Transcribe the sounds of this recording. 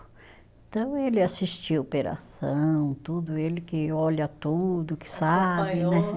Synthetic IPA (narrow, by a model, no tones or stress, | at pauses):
ẽt̪ɐ̃w̃elɪasist͡ʃiwopeɾa̰sɐ̃w̃t̪ud̪ʊelɪkɪɔlɐt̪ud̪ʊkɪ̥sabɪnɛ